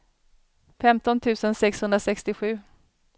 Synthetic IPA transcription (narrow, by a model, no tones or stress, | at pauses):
fɛmt̪ɔnt̪ʰʉ̟ːsənsɛkshɵnd̪ɾasɛkst̪ɪɧʉ̟ː